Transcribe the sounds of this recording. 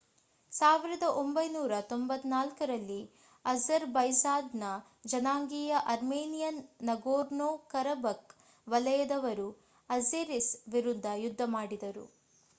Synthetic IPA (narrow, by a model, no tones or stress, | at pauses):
saːʋiɾɐd̪ɐʔombɐjnuːɾɐt̪ombɐt̪ːnaːlkɐɾɐlːi | ɐzɐɾbɐjsaːd̪nɐ | d͡ʒɐnaːŋɡijɐʔɐɾmeːnijɐnːɐɡoːɾnoːkɐɾɐbɐk | ʋɐlɐjɐd̪ɐʋɐɾu | ɐzeɾisʋiɾud̪ʱːɐjud̪ʱːɐmaːɽid̪ɐɾṵ